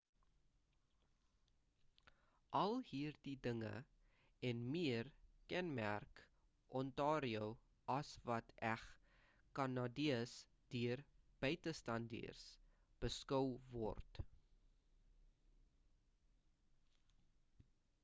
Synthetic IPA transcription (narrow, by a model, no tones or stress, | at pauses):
ʔɐlˠhiːrdidəŋə̰ | ɛnmiərkɛnmæ̰rk | ʔɔntɑːɾiow | ʔɐsvɐtʰæχ | kɐnɑdiəs | d̥iərb̥œɥtəstɐndḭərs | b̥əskəwvɔ̰rt